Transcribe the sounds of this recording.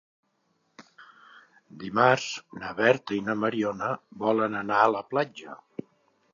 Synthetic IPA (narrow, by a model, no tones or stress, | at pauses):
d̪imaɾznəβɛɾt̪əinəməɾiɔnəbɔlənənaələplad͡ʒə